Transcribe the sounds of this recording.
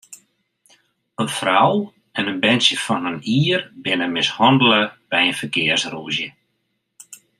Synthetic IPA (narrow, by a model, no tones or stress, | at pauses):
ənfraw | ɛnənbɛnsjəfɔnəniːərbɪnəmɪshɔndələbɛjənfərkɪərsruəzjə